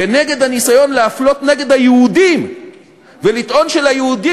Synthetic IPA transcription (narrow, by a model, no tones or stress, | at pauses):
ene̞ɡe̞d̪hanisajo̞nleaflo̞t̪ne̞ɡe̞d̪hajehud̪im | ve̞lit̪ʔo̞nʃe̞lhajehud̪i